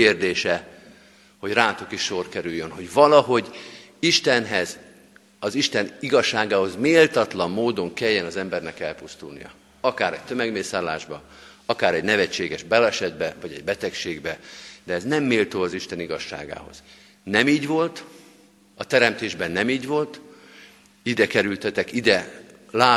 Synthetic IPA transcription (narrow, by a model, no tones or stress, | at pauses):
eːrd̪eːʃɛ | ho̞ɟraːt̪okiʃːo̞rkɛɾyjːønɦo̞ɟvɒlɒɦo̞ɟ | iʃt̪ɛnɦɛz | ɒziʃt̪ɛniɡɒʃːaːɡaːɦo̞zmeːlt̪ɒt̪lɒmːoːd̪o̞ŋkɛjːɛnɒzɛmbɛrnɛkɛlpust̪ṵlnḭjɒ̰ | ɒkaːɾɛc̚t̪ø̞mɛɡmeːsaːlːaːʒbɒ | ɒkaːɾɛɟnɛvɛt͡ʃːeːɡɛʒbɛlɛʃɛd̪bɛvɒɟɛ̰ɟ̚bɛt̪ɛkʃeːɡbɛd̪ɛːznɛmːeːlt̪oːɒziʃt̪ɛniɡɒʃːa̰ːɡa̰ːɦo̞̰z̥ | nɛmiːɟvo̞lt̪ | ɒt̪ɛɾɛmt̪eːʒbɛnːɛmiːɟvo̞lt̪ | id̪ɛkɛɾylt̪ɛt̪ɛkid̪ɛ | laː